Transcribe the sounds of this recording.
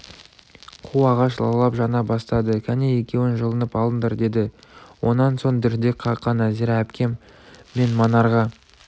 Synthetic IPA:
qʰuɑʁɑʃlˠɑ̰lˠɑpʒɑnɑbɑst̪ɑd̪əkʲʰæneje̞kʲe̞wɪnʒəlˠənəpɑlˠənd̪əɾd̪e̞d̪ɪwo̞̰nːɑnso̞ɴd̪ɪɾd̪e̞kqʰɑqːɑnæziɾææpkʲe̞mː | e̞nmɑnɑɾʁɑ

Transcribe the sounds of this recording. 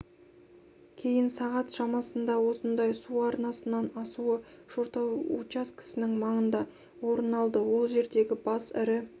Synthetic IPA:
kʲʰe̞jɪnsɑʁɑt̪ʃɑmɑsənd̪ɑwo̞sənd̪ɑjsuɑɾnɑsənɑnɑsuəʒ̥oɾt̪ɑwṵt͡ʃaskʲɪ̥sɪnɪŋmɑɴənd̪ɑ | wo̞ɾənɑlˠd̪əwo̞lˠʒe̞ɾd̪e̞ɡʲɪbɑsɪɾɪ

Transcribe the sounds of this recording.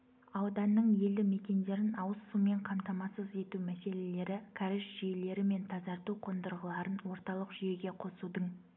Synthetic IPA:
ɑwd̪ɑnːəɴje̞ld̪ɪme̞kʲe̞nd̪e̞ɾɪnɑwəsːume̞ɴqʰɑmt̪ɑmɑsəze̞t̪umæse̞le̞le̞ɾɪkʰaɾɪʃʒ̥ijle̞ɾɪme̞nt̪ʰɑzɑɾt̪uqʰo̞nd̪əɾʁəlˠɑɾənwo̞ɾt̪ɑlˠəqʒʏje̞ɡʲe̞qʰo̞sud̪əɴ

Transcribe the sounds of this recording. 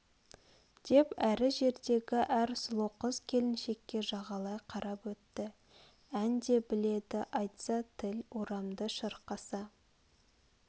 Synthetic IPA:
d̪̥e̞pæɾɪʒe̞ɾd̪e̞ɡʲɪʔæɾsʊlˠoqəzkʲʰe̞lɪnʃe̞kʲːe̞ʒɑʁɑlˠɑjqʰɑɾɑpwɵt̪ːɪ | ænd̪e̞bɪle̞d̪ɪʔɑjt̪sɑt̪ʰɪloɾɑmd̪əʃəɾqɑsɑ

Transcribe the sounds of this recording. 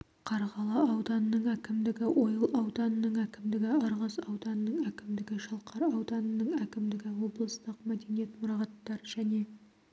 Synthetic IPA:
qʰɑɾʁɑlˠɑɑwd̪ɑnənəɴækʲɪmd̪ɪɡʲɪwʔo̞jəlˠɑwd̪ɑnənəɴækʲɪmd̪ɪɡʲɪɑɾʁɑsɑwd̪ɑnənəɴækʲɪmd̪ɪɡʲɪʃɑlˠqʰɑɾɑwd̪ɑnənəɴækʲɪmd̪ɪɡʲɪwo̞blˠəst̪əqmæd̪e̞nije̞t̪mʊɾɑʁɑt̪ːɑɾʒæne̞

